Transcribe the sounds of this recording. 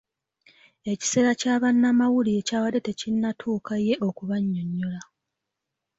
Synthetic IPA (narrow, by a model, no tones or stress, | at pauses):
e̞ci̥se̞ːɾacaːβanːamawulie̞caːwade̞te̞cinːatʰuːkʰaje̞ʔo̞kuβaɲːoɲːola